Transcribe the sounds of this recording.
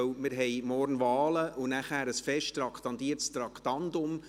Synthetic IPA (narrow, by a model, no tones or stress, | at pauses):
wmɪɾɦɛjmɔrnvɑːləʔʊnæχhæːɾəsfɛʃttrɑkχtɑndiəɾtst̪ɾɑktɑndʊm